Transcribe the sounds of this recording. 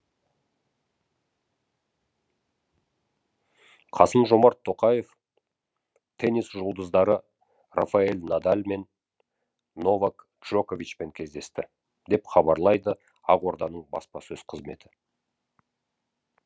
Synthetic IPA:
qʰɑsəmʒo̞mɑɾt̪ʰːo̞qɑje̞f | t̪ʰe̞nisʒʊlˠd̪əzd̪ɑɾə | ra̰faelʲnad̪alʲme̞n | o̞vak | ʒ̥oko̞vit͡ʃpe̞ŋkʲʰe̞zd̪e̞st̪ɪ | d̪e̞pχɑbɑɾlˠɑjd̪ə | ɑʁo̞ɾd̪ɑnəɴbɑ̰spɑsɵz̥qʰəzme̞̰t̪ʰɪ̥

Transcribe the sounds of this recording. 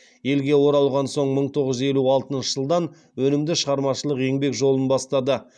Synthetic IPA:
je̞lɡʲe̞wo̞ɾɑlˠʁɑnso̞ɴməɴt̪ʰo̞ʁəzʒze̞luɑlˠt̪ənʃə̥ʒ̥əlˠd̪ɑn | wɵnɪmd̪ɪʃəʁɑɾmɑʃəlˠəqje̞ŋbe̞kʒo̞lˠənbɑst̪ɑd̪ə

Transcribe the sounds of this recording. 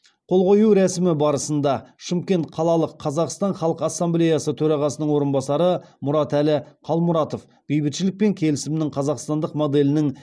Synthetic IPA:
qʰo̞lˠqo̞juɾæsɪmɪbɑɾəsənd̪ɑʃəmkʲe̞nt̪̚qʰɑlˠɑlˠəqʰːɑzɑqst̪ɑnχɑlˠəqɑsːamble̞jɑsət̪ʰɵɾɑʁɑsənəɴwo̞ɾənbɑsɑɾəmʊɾɑt̪ælɪqʰɑlˠmʊɾɑt̪o̞f | b̥ejbɪt̪ʃɪlɪk̚pe̞ŋkʲʰe̞lɪsɪmɪnɪŋqʰɑzɑqst̪ɑnd̪əqmo̞d̪e̞lɪnɪŋ

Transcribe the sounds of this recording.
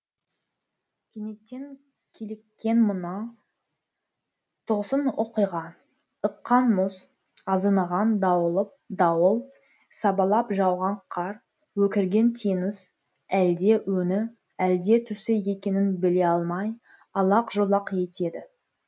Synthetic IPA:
kʲʰene̞t̪ːeŋ | kʲʰelekʲːe̞nmənɑ | t̪ʰoʁsənoqijʁɑ | əqːɑnmʊs | ɑzɑnɑʁɑnd̪ɑwəlˠəp̚d̪ɑwəlˠ | sɑbɑlˠɑpʒɑwʁɑɴqʰɑɾ | wɵkʲɪɾɡʲe̞nt̪ʰenɪz | æld̪e̞wɵnɪ | æld̪e̞t̪ʰʏsɪje̞kʲe̞nɪnbɪle̞ɑlˠmɑj | ɑlˠɑqʒolˠɑqje̞t̪e̞d̪ɪ

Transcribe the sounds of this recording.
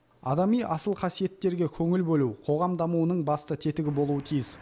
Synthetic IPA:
ɑ̰d̪ɑmijʔɑsəlˠqʰɑsije̞t̪ːe̞ɾɡʲekʲʰɵŋɪlbɵlˠuwqʰo̞ʁɑmd̪ɑmuwənəɴbɑst̪ət̪ʰe̞t̪ɪɡʲɪbo̞lˠuwət̪ʰijɪs

